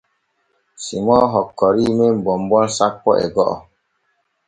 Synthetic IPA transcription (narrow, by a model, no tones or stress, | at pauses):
simɔɦɔkːɔɾimembɔmbɔnsak̚pːɔʔɛ̰ɡɔʔɔ̰